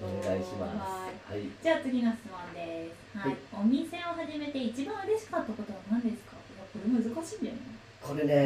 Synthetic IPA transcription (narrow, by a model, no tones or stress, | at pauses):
oneɡaiɕimaasihaid͡ʑaːt͡sɨɡʲinaɕɨ̥t͡sɨmõnd̪e̞sɨ̥haio̞mʲisẽ̞oɦaʑime̞t̪e̞it͡ɕibãɰ̃ɯ̟ɾe̞ɕi̥kat̪ːako̞t̪o̞βanãnd̪e̞sɨ̥kamako̞ɾemoɯ̟zɨkaɕĩːnd̪ejso̰ne | ko̞ɾe̞ne